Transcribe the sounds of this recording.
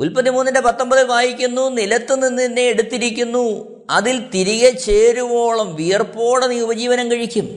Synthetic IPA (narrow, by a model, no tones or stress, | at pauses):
ulpɐt̪ːimuːnːɐndepɐt̪ːɐmbɐðɨʋaːjikʲːunːunilɐt̪ːɨninːinːeːɽut̪ːiɾik̬ʲːunːu | ɐðilt̪iɾiɣɐt͡ɕeːɾumo̞ːɭɐmʋijɐrpo̞ːɽɐniːubɐd͡ʑiːʋɐnɐmkɐɻikʲːum